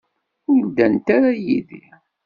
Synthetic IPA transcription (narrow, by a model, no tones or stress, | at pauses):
ʊɾd̪ːænt̪aɾajiðḭ